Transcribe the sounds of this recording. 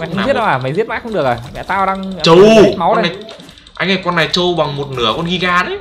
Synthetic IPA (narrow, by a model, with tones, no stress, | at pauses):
mɛ˨˧˨i˦˥tɗə˧waː˨˩ma˨˩jzi˦˥ət̚maː˦˥jxə˧ŋ͡mɨ˨˩ək̚ʔa˨˩mɛ̰˧˨t̪aː˧wɗa˧ŋt͡ɕə˧w̚ma˨˦wna˨˩ | ʔa̰˧jŋʔa˧˩kɔ˧nːa˨˩t͡ɕo˧ɓa˨˩ŋmo˨˩t̚nɨ̰˧˩əkɔ˧nɣi˧ɣaː˧ɗə˨˦